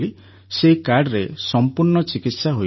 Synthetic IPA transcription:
li | sekaɾɖɾesɔmpuɾɳɔt͡ʃikit̪saɦo

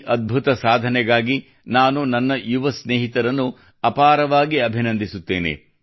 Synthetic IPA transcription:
ʔɐd̪̚bʱut̪ɐsaːd̪ʱɐnɛɡaːɡi | naːnunɐnːɐjuʋɐsneːɦit̪ɐɾɐnːu | ɐpaːɾɐʋaːɡiɐbʱinɐnd̪ʱisut̪ːeːnḛ

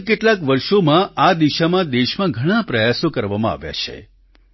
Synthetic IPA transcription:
keʈlakʋəɾʃomãad̪iʃamãd̪eʃmãɡʱəɽ̃apɾəjasokəɾʋamãa̰ʋja̰t͡ʃʰḛ

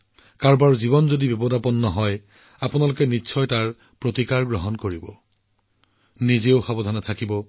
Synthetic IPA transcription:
kaɹbaɹzibɔnzodibɔbɔdʱapɔnːɔɦɔj | apʊnalʊkɛnitːsʰɔjtaɹ | pɹotikaɹɡɹɔɦɔnkoɹibɔ | nizeʊxabɔd̪ʱɔnatʰakibɔ

